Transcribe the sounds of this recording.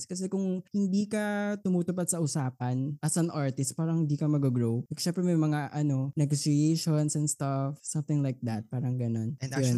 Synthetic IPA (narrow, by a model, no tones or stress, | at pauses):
skɐsɛkʊŋhɪnd̪iːkɐt̪ʊmuːt̪ʊpad̪̚sɐʔʊsaːpɐnʔɐsɐŋʔaɹt̪ɪst̪̚paːɾɐŋhɪnd̪iːkɐmɐɡɐɡɹowɐʃɛmpɾɛmɐjmɐŋaʔɐno̞nɛɡosɹiejʃonsɛnst̪ɐfsɐ̃mθɪ̃ŋlajk̚d̪ɐt̪̚paːɾɐŋɡɐno̞njo